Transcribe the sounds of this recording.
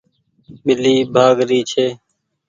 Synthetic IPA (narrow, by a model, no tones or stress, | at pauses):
ɓɪliːbʱaːɡɾiːt͡ʃʰeː